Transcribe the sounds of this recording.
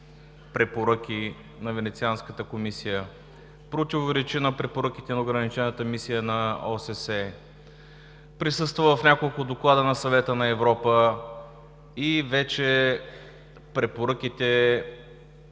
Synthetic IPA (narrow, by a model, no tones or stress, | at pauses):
pɾɛpoɾək̟ʲi | nɐvɛnɛt̪sianskət̪əkomisijə | pɾot̪ʲivoɾɛt͡ʃinɐpɾɛpoɾək̟it̪ɛnɐʊɡɾɐnit͡ʃɛnət̪əmisijənɐɔsɛsɛ | pɾisɤst̪vəvəfnʲakolˠkʊd̪oklˠad̪ənɐsɐvɛt̪ənɐɛvɾɔpə | ivɛt͡ʃɛ | pɾɛpoɾək̟it̪ɛ